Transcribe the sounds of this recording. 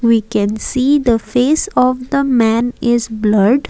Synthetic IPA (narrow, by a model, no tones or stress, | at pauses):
ʋiːkɛ̃nsiːd̪əfeːsɔːʋd̪əmæ̃nɪzbləɾɖ